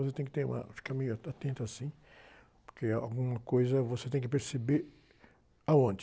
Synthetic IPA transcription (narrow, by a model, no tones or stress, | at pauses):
os̬et̪ẽŋkɪ̥t̪ẽma̰fkãmĩaat̪ẽnt̪asĩ | poɾkeaa̰ɡũŋakojzavoset̪ẽŋkɪpeɾsebeɾ | awõnt̪